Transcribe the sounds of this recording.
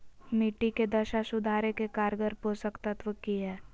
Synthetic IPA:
miʈiked̪ɐʃasʊd̪ʱaːɾekekaːɾɡəɾposəkt̪ət̪ʋəkiɦɛː

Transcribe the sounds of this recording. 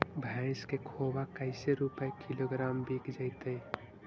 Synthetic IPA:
bʱãɪ̃skekʰobakəɪseɾupəkiloɡɾaːmbiːkʰd͡ʒəɪt̪əj

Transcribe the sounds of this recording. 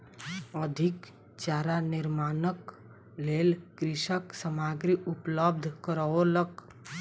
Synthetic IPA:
əd̪ʱik | t͡ʃaɾaniɾmanək | lelkɾiʃəksəmaɡɾiʔupləb̚d̪ʱkəɾəolək

